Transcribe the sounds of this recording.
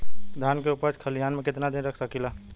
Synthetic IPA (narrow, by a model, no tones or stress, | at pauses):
d̪ʱjaːnkeupəɾt̪kʰəlijaːnmẽkɪt̪nad̪inɾəkʰsəkila